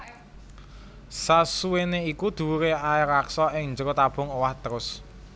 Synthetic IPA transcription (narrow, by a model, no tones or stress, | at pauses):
sasuweneikud̪̥ṳuɾeaɪɾaksɔɪŋɲd͡ʒəɾot̪ab̥ʊ̤ŋowaht̪əɾʊs